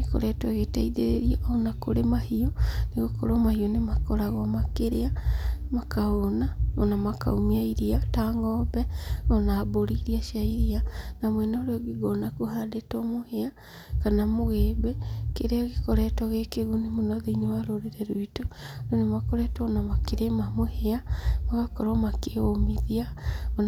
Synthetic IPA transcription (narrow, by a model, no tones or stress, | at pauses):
eko̰ɾɛtwɛɣetaiðeɾeɾiaʔonakoɾemahiɔneɣokɔɾɔmahiɔnemakɔɾaɣɔmakeɾeamakaonao̰namaka̰umiaiɾiataŋɔbɛɔnaboɾiɾiaʃiaiɾianamwɛnoɾeɔɡiɡɔnakohadetɔmohea | kanamoɣebekeɾeaɣekɔɾɛtɔɣekeɣunemonɔðeiɲewaɾoɾeɾɛɾuitononemakɔɾɛtɔɔnamakeɾemamoheamaɣakɔɾɔmakeomiðiaon